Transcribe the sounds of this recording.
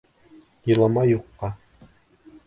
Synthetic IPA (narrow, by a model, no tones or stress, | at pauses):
jɤ̆lˠɑmɑjuqːɑ